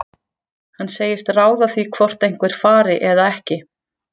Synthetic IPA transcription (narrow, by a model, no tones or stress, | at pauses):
hanseːjɪst̪raːwðaθvikʰvɔr̥t̪ejŋ̥kvɛɾ̥faːɾɪʔɛðaɛhcɪ